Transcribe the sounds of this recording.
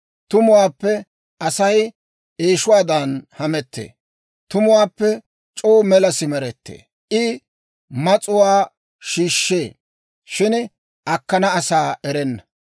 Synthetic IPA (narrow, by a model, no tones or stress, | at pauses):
t̪ʊmʊwaːpːɛ | ʔɐsɐj | ʔeːʃʊwaːd̪ɐnhɐmɛt̪ːḛː | t̪ʊmʊwaːpːɛ | t͡ʃʼoːmɛlɐsɪmɛɾɛt̪ːḛː | ʔɪ | mɐt͡sʼʊwaː | ʃiːʃːeː | ʃɪn | ʔɐkːɐnɐːsaːʔɛɾɛnːɐ